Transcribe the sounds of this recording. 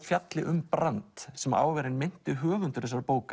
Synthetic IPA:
fjat̪lɪʔʏmpɾant̪sɛma̰ːwvɛɾɪnmɪn̥t̪ɪɦœːɣʏnt̪ʏɾθɛsaɾpoːwka

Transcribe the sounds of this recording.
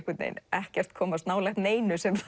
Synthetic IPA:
hkʏt̪nḛjnɛhcɛr̥t̪kʰɔːmast̪naːwlɛxt̪neːjnʏsɛm

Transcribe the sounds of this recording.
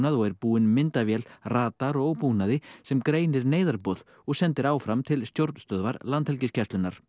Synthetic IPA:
naðɔɣɛɾpuːɪnmɪnt̪avjɛlraːt̪aɾɔowpunaðɪsɛmkɾeːjnɪɾneːjðaɾpɔð̥ | ɔɣsɛnt̪ɪɾaːwfɾamt̪ʰɪlst̪jowɾt̪nst̪œðvaɾlant̪hɛlcɪscʰaɛslʏnːaɾ̥

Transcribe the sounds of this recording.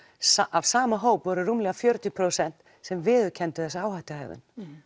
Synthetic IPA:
av̥saːmaɦoːwpvɔɾʏrumlɛɣafjœɾt̪jʏpʰɾowsɛn̥t̪ | sɛmvɪːðʏcʰɛnt̪ʏ̥θɛsːaaːwhaht̪ahɛ̰ːvɪ̰n

